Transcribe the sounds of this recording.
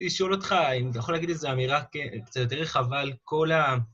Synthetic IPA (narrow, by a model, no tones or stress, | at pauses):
iʃo̞lo̞t̪χaimt̪ajaχo̞laɡid̪lezeamiʁakekt͡sat̪joteʁeχavalko̞la